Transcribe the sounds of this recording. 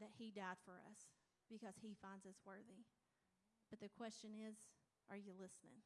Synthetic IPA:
ðɨt̚hidʌd̥fə˞ʌ̰s | b̥ɨkʰʌz̥ifãɪ̃ndzʌswɜ˞ði | b̥ʌt̪̚ðɨkʰw̥ɛst͡ʃɨ̃nɪz | ʔə˞jɨlɪsnɪ̰̃ŋ

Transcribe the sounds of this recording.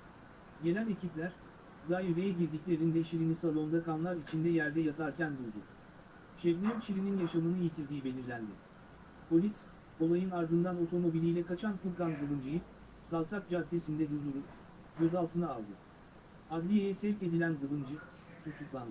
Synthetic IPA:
ɟe̞nʲælʲe̞cʰiplʲæɾ | d̪ajyɾejɛɟiɾd̪iclʲe̞ɾind̪ɛʃiɾinisalˠo̞nd̪akʰanlˠaɾit͡ʃʰind̪ɛjæɾd̪ɛjat̪ʰaɾcʰænbuɾd̪ʊ̰ | ʃevnʲɛmt͡ʃʰiɾininjaʃamɯnɯijit̪ʰiɾd̪iːibe̞lʲiɾlʲænd̪ɪ | pʰo̞lʲis | o̞lˠajɯnaɾd̪ɯnd̪ano̞t̪ʰo̞mo̞bilʲijlʲɛkat͡ʃʰanfɯɾˠkanzɯbɯnd͡ʒɯjɯ | salˠt̪ʰak̚d͡ʒad̪e̞sind̪ɛd̪uɾd̪uɾup | ɟʲø̞zalˠt̪ʰɯnaːlˠd̪ɯ | ad̪lʲijejɛsɛvʲce̞d̪ilʲænzɯbɯnd͡ʒɯ | t̪ʰut̪ʰuklˠand̪ɯ

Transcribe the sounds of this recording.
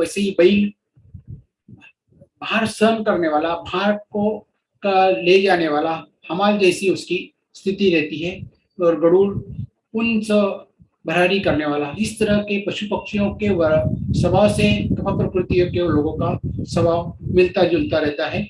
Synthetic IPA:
ɛːseɦibɐɪl | baːɾsənkɐɾneʋaːlabaːɾko | kaled͡ʒaːneʋaːla | hɐmaːld͡ʒɛːsiʊski | st̪ʰɪt̪iɾɛɦt̪iɦɛ | ɔːɾɡɐɽuːɾ | ʊnsə | bʱɐɾaːɾikɐɾneʋaːlaɪst̪ɐɾəkepɾɐʃupɐkʃijõkeʋɐɾsɐbʱasek̪ɐmapɾəkɾʊt̪ijõkeloːɡõkasɐbʱaʋmɪlt̪ad͡ʒʊlt̪aɾɛɦt̪aɦɛː

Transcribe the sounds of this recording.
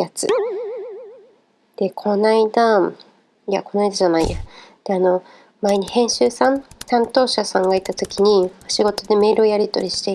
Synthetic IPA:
jat͡sɨ̰ | d̪̥e̞kʰo̞naid̪a | iako̞naid̪aʑanaḭjad̪̥e̞ano̞ | maeɲ̟ihẽ̞ɰ̃ɕɨːsãnsãnt̪o̞ːɕasãŋɡait̪at̪o̞kʲiɲ̟ioɕiɡo̞t̪o̞d̪e̞me̞ːɾɯ̟o̞jaɾʲit̪o̞̰ɾʲiɕi̥t̪e

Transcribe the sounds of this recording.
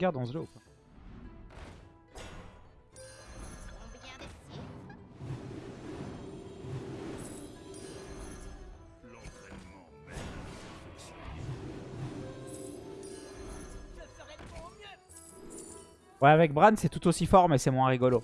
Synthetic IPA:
ɡaʁd̪ɔ̃zlokwa | lɑ̃t̪χɛnmɑ̃mɛl | s | wɛavɛk̚bʁansɛt̪ut̪osifɔʁmɛsɛmwɛ̃ʁiɡɔlo

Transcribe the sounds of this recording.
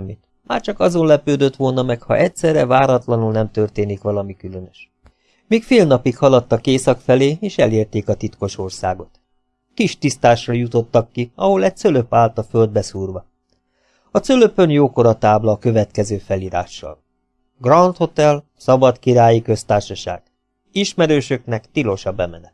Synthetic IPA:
mːit̪ | ma̰ːrt͡ʃɒkɒzo̞nlɛpøːd̪øt̪ʋo̞lnɒmɛkhɒ̰ʔɛcsɛrːɛvaːɾɒt̪lɒnulnɛmt̪ø̞rt̪eːnikʋɒlɒmikylønøʃ | miːkfeːlnɒpikhɒlɒt̪ːɒkeːsɒkfɛleːeːʃɛleːrt̪eːkɒt̪it̪ko̞ʃo̞rsa̰ːɡo̞t̪ | kiʃt̪ist̪aːʃːɒjut̪o̞t̪ːɒkːiɒɦo̞lɛc̚t̪søløpaːlt̪ɒføld̪̚bɛsuːrʋɒ | ɒsøløpønjoːko̞ɾɒt̪aːblɒːkø̞vɛt̪kɛzøːfɛliːɾa̰ːʃːɒ̰l | ɡrɒnt̪ho̞t̪ɛl | sɒbɒt̪kiɾaːjikø̞st̪aːrʃɒʃa̰ːɡ̥ | iʃmɛɾøːʃø̞knɛkt̪ilo̞ʃɒbɛmɛnɛt̪

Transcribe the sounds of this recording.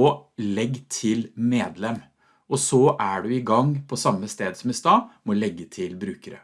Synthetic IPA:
ɔlɛɡːt̪ʰɪlmeːd̪lɛmː | ʔɔsɔʔæɖʉɪɡɑŋːpʰɔsɑmːəst̪eːd̪sɔmɪst̪ɑːmɔlɛɡːət̪ʰɪlbɾʉːkəɾə̰

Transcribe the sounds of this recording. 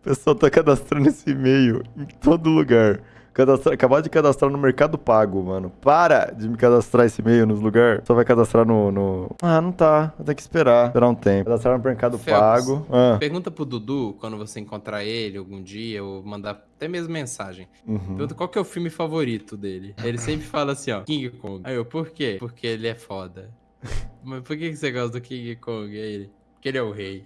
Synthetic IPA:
pesuat̪akad̪ast̪ɾɐ̃nesɪmejʊẽj̃t̪od̪ʊluɡaɾ | kad̪ast̪ɾakabad͡ʒɪkad̪ast̪ɾaɾnʊmeɾkad̪ʊpaɡʊmɐ̃nʊpaɾɐ̰d͡ʒɪmɪkad̪ast̪ɾaesɪmejʊnʊluɡaɾsɔvajkad̪ast̪ɾaɾnʊnʊanɐ̃w̃t̪aẽt̪ẽjʊkɪ̥speɾapeɾaũt̪ẽpʊd̪ast̪ɾaɾnʊmeɾkad̪ʊppaɡʊɐ̃peɾɡũnt̪ɐpɾʊd̪ud̪ukwɐ̃nd̪ʊvoseĩkõnt̪ɾaelɪawɡũd͡ʒiɐomɐ̃d̪aat̪ɛmezmʊmẽsaʒẽj̃pũheɾɡũt̪ɐkwawkɛʊfiwmɪfavoɾit̪ʊd̪elɪelɪsẽmpɾɪfalɐasĩɔkĩɡɪkõɡajopoɾkepoɾkʰeelɪɛfɔd̪ɐ | mɐspoɾkekɪseɡɔst̪ɐd̪ʊkĩɡɪkõɡʊɛelɪpoɾkeelɪɛʊhej

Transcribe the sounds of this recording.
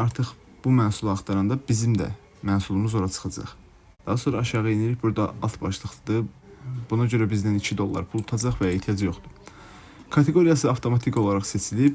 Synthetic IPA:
ɑɾt̪ʰɯχ | b̥umæːsulˠhɑχt̪ʰɑɾɑnd̪ɑbizimd̪æ̰ | mæːsulˠumuzo̞ɾɑt͡ʃʰɯ̥χɑd͡ʒɑ̰χ | d̪̥ɑɦɑso̞nɾɑːʃɑʁɯeniɾiçbuɾd̪ɑ̰ɑ̰lˠt̪ʰbɑʃlˠɯχt̪ˠɯd̪ɯb̥unɑɟø̞ɾæbizd̪ænit͡ʃʰid̪o̞lˠːɑ̰ɾpʰulˠt̪ʰɑd͡ʒɑχvæe̞ht̪ʰijɑd͡ʒijo̞χd̪u̥ | kʰɑt̪ʰe̞ɡo̞ɾijɑsɯɑft̪ʰo̞mɑt̪ʰiko̞lˠɑɾɑχse̞t͡ʃʰilib

